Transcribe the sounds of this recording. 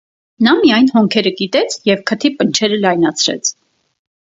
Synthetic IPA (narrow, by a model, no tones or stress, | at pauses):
nɑmiɑjn̪hɔŋkʰɛɾəɡit̪ɛt͡sʰjɛvkʰət̪ʰipənt͡ʃʰɛɾəlɑjnɑt͡sʰɾɛ̰t͡sʰ